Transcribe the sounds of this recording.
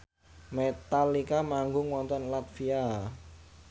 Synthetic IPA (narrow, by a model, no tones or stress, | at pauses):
met̪alikamaŋɡʊŋwɔnt̪ɔnlat̪̚fia